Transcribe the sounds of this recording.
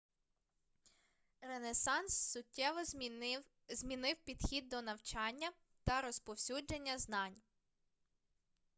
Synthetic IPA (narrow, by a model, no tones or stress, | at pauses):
renesɑnsːʊtʲːɛʋɔ | zmʲinɪwpʲid̪xʲid̪̚ːɔnɐwt͡ʃɑnʲːɐ | t̪ɐɾɔspɔwsʲud͡ʒenʲːɐznɑnʲ